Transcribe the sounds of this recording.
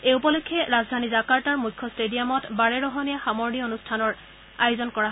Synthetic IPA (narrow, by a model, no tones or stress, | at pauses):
eupɔlokʰːɛɹazdʱanizakaɹtaɹmujkʰːɔstedijamɔtbaɹɛɹɔɦɔnijaxamɔɹnionustʰanɔɹ | ajʊzɔnkɔɹaɦ